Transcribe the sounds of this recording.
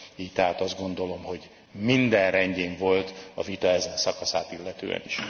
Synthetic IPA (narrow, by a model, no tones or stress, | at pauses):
iːct̪ɛɦaːt̪ɒzd̪ɡo̞nd̪o̞lo̞mho̞ɟ | mind̪ɛnrɛɲɟeːɱvo̞lt̪ɒvit̪ɒɛzɛnsɒkɒsa̰ːt̪ilːɛt̪ø̰ːɛ̰nḭʃ